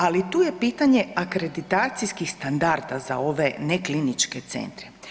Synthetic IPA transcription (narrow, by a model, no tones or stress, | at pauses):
alit̪uːje̞piːt̪aɲe̞akɾe̞d̪it̪aːt̪sijskixst̪and̪aɾd̪aza̰o̞ʋe̞neklinit͡ʃket̪sḛnt̪ɾe